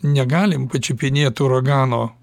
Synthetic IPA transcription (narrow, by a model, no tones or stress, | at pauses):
nʲɛɡɑːlʲɪmpɐt͡ʃʲɪpʲɪnʲeɛt̪uːɾoɡɑːnoː